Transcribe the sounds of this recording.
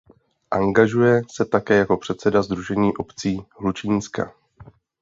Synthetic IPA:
ʔaŋɡaʒujɛsɛt̪akɛːjako̞pr̝̥ɛt̪sɛdazd̪ɾuʒɛɲiːʔo̞pt͡siːɦlut͡ʃiːnska̰

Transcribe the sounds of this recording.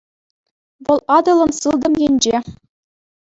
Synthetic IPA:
ʋɤ̆lˠɑd̪ɤ̆lˠɤ̆msɯlˠd̪ɤ̆mjenʲd͡ʑe

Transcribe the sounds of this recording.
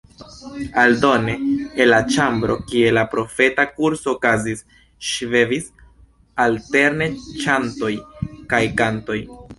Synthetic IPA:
aldo̞ne̞elat͡ʃambɾo̞kie̞lapɾo̞fe̞takuɾsoːkazis | ʃvevis | alte̞ɾne̞t͡ʃanto̞jkajkanto̞j

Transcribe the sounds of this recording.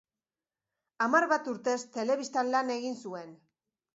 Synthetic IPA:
amarβat̪uɾt̪e̞st̪e̞le̞βist̪anlane̞ɣinsue̞n

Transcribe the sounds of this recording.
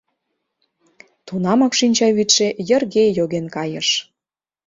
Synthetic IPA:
t̪unɑmɑkʃinʲt͡ɕɑβit̪ʃĕjə̆rɣejoɣenkɑjəʃ

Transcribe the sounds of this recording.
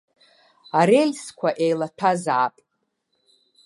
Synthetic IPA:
aɾelʲskʷʰaʔejlatʰazaːpʼ

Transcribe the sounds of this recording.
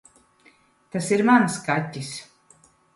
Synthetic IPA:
t̪asiɾmanskat̪ʲːis

